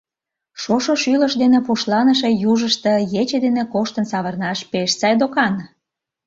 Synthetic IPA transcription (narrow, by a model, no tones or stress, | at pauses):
ʃoʃoʃyləʃd̪enepuʃlɑnəʃejuʒəʃt̪ĕjet͡ɕed̪enekoʃt̪ənsɑβərnɑʃpeʃt͡sɑjd̪okɑn